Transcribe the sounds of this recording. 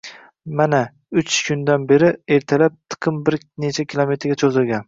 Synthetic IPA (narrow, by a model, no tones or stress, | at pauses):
mana | ʊt͡ʃkʰʊnd̪anbe̞ɾɪeɾt̪ʰalap̚t̪ʰɨ̥qʰɨmbɪɾ | ne̞t͡ʃʰakʲʰɪlˠome̞t̪ʰɾɡʲat͡ʃʰozɪlɡʲan